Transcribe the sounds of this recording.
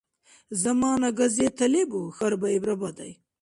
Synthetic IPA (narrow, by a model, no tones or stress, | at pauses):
zɐmɑːnaɡɐzet̪ʰɐlebuxɐɾbaibɾɐbad̪a̰j